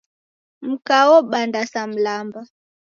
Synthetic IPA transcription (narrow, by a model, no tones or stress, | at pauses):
m̩kawɔɓandasam̩lamba